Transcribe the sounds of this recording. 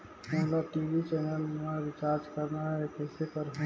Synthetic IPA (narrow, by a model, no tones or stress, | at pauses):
ɛ̃t̪lab̚ʈiːʋit͡ʃɛːnəlmẽɾɪt͡ʃaːɾd͡ʒkəɾnaɦɛkɛːsepəɾɦ